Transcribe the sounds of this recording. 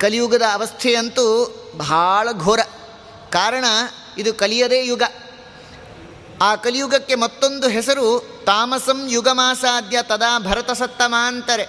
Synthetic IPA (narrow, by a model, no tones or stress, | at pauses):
kɐlijuɡɐd̪ɐːʋɐst̪ʰejɐnt̪u | bʱaːɭɐɡʱoːɾɐ | kaːɾɐɳɐ | id̪ukɐlijɐd̪eːjuɡɐ | aːkɐlijuɡɐkːe̞mɐt̪ːond̪uɦɛsɐɾu | t̪aːmɐsɐmjuɡɐmaːsaːd̪jɐt̪ɐd̪aːbʱɐɾɐt̪ɐsɐt̪ːɐmaːnt̪ɐɾe